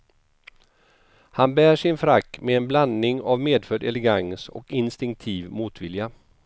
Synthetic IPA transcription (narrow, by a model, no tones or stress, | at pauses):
hanbæːʂɪnfɾakːmɛɛnbland̪nɪŋavmeːd̪fœɖɛlɛɡaŋsɔ̰kɪnst̪ɪŋk̚t̪ʰiːvmuːt̪vɪlja